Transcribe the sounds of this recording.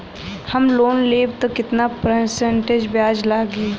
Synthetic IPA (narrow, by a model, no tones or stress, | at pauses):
hɐmloːnleːb̚t̪okɪt̪napɾesẽɳʈed͡ʒbjaːd͡ʒlaːɡiː